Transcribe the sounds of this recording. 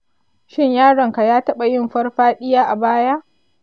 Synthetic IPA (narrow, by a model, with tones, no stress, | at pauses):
ʃɪ˦ɲjaː˦ɽɐ˨ŋka˨jaː˦tɐ˦ɓa˨jɪ˦mɸɐ˦rɸaː˦ɗɪ˦jaː˦ʔa˨baː˦ja˦ʔ